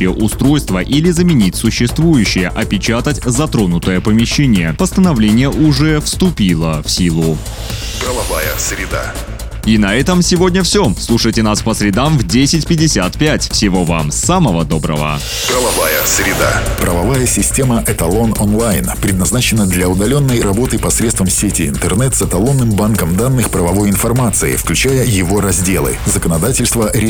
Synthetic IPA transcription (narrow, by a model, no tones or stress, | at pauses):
pʲɪʔʊst̪ɾo̞jst̪vəʔilʲɪzəmʲɪnʲitʲsʊɕːɪst̪vujʉɕːɪjəʔɐpʲɪt͡ɕat̪ətʲzɐt̪ɾo̞nʊt̪əjəpəmʲɪɕːenʲɪjəpəst̪ənɐvlʲenʲɪjəʔʊʐɛfst̪ʊpʲilˠəfsʲilˠʊ | pɾəvˠɐvajəsɾʲɪd̪a̰ | inɐɛt̪əmsʲɪvo̞dʲnʲəfsʲoslˠuʂəjtʲɪnaspəsɾʲɪd̪amvdʲesʲɪtʲpʲɪdʲɪsʲat̪pʲætʲfsʲɪvo̞va̰msaməvəd̪o̞bɾə̰və̰ | pɾəvɐvajəsɾʲɪd̪a̰pɾəvɐvajəsʲɪsʲtʲe̞məʔɛt̪ɐlˠo̞nonlˠajnpɾʲɪd̪nɐznat͡ɕɪnːəd̪lʲɐʊd̪ɐlʲo̞nːəjrɐbo̞t̪ɨpɐsɾʲet̪st̪vəmsʲetʲɪɪ̰nt̪ɛrnɛt̪sɛt̪ɐlˠo̞nːɨmbankəmd̪anːɨxpɾəvɐvo̞jɪnfɐrmat̪sɨɪ̰fklʲʉt͡ɕæjəjɪvo̞ɾɐzʲdʲe̞lˠɨ̰zəkənɐd̪atʲɪlʲst̪vəɾʲɪ